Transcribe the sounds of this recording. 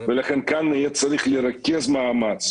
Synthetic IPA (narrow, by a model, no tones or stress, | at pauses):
velaχenkanːijɛt͡s̪aɾiχliɾakʲezmaːmat͡s